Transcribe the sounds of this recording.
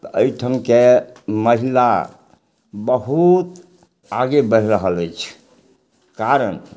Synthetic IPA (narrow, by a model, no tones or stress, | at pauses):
t̪əjʈʰəmkeməɦila | bəɦut̪ | aɡebəɾ̤ɾəɦələjt͡ʃʰ | kaɾən